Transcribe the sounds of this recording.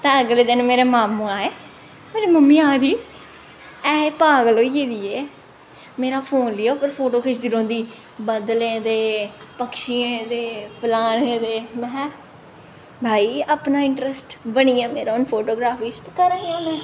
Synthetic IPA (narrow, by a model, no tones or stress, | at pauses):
t̪ãːəɡleːd̪ɪnmeːɾeːmaːmõːaːeː | meːɾeːməmiːaːd̪iː | ɛːpaːɡəloːiːd͡ʒeːd̪iːeː | meːɾaːpʰoːnliːaːopəɾpʰoːʈoːkʰɪʃd̪iːɾõːnd̪iː | bəd̪lẽːd̪eː | pəkʃiːẽd̪eːpəlaːnẽːd̪eːmɛ̃ː | bʱaːiːəpnaːɪɳʈɾəsʈbəɳiːãːmeːɾaːʊnpʰoːʈoːɡɾaːfʰiːt͡ʃt̪ːkəɾãːãːmɛ̃ː